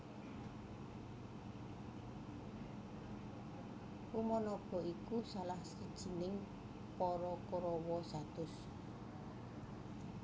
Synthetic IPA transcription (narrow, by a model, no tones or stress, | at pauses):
umɔnɔb̥ɔ̤ikusalahsid̥ʒ̥i̤nɪŋ | pɔɾɔkoɾɔwɔsat̪ʊs